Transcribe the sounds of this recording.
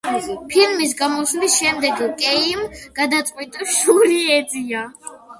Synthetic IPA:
pʰilmis̬ɡamɔslisʃɛmd̪ɛɡkʼɛimɡ̥ad̪at̪sʼqʼwit̪ʼaʃuɾiɛzia

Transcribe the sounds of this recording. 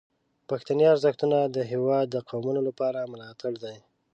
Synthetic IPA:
paxt̪anjɑɾzaxt̪unad̪əɦewɑd̪̚ːəqawmunolapɑɾamʊlɑt̪aɽd̪aj

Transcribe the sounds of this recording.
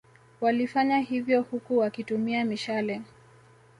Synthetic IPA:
walifaɲahivjɔhukuwakitumiamiʃalɛ

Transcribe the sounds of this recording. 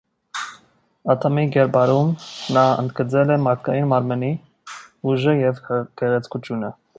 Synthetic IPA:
ɑt̪ʰɔmiɡɛɾbɑɾumnɑə̰nd̪ɡət͡sɛlɛmɑɾt̪̚kɑjinmɑɾməni | uʒəjɛvɡɛʁɛt͡sʰkut͡ʃʰjunə

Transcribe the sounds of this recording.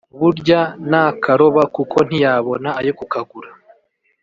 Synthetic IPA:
βuɾɟanakʰaɾo̞βakukʰo̞n̥ijaβo̞naːjokukaɡuɾa

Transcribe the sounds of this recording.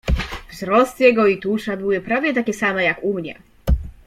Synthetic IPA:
vzɾɔst̪jɛɡɔit̪uʂab̪ɘwɛpɾavʲjɛt̪akʲɛsamɛjakumɲɛ̰

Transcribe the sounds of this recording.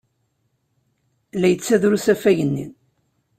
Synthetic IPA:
læjət͡sːæðɾusæfæjənːin

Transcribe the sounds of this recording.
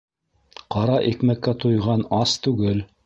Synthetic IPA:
qɑɾɑʔikmækːæt̪ŏjʁɑnɑst̪ʉɡɘl

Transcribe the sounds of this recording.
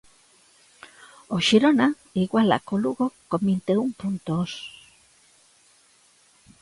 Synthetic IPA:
oʃiɾona | iɣwala̰koluɣokomint̪euŋpunt̪oos

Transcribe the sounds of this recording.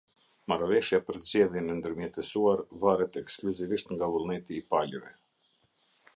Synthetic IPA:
maɾvɛʃjapəɾzd͡ʑɛðjɛnɛnd̪əɾmjɛt̪ɛsuaɾvaɾɛt̪ɛkskluziviʃt̪ŋɡavulˠnɛt̪iːpalɾɛ

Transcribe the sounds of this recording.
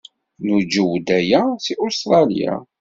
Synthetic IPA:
nud͡ʒəwd̪æjæsiʔʊst̪ɾˤɑlḭja̰

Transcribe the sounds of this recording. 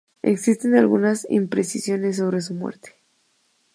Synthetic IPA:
e̞̰ksist̪e̞nalɣunasḭmpɾe̞sisjo̞ne̞s̬ːo̞βɾe̞s̬umwḛɾt̪e̥

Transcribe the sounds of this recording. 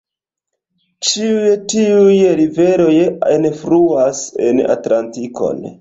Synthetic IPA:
t͡ʃiujetiujɾive̞ɾo̞jenfɾuasḛna̰tlantiko̞̰n

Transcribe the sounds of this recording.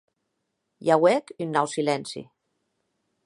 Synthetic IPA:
jawɛkynːɔwsilɛnsḭ

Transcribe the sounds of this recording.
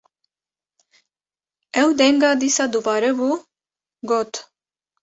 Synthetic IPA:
ɛwd̪ɛŋɡad̪isad̪uvaɾɛvu | ɡɔt̪ʰ

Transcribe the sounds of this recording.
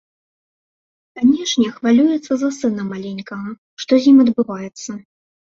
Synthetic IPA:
kanʲɛʂnʲɛxvalʲujɛt̪sːɐzɐsɨnɐmalʲenʲkɐɣɐ | ʂt̪ɔzʲjimɐd̪bɨvajɛt̪sːɐ

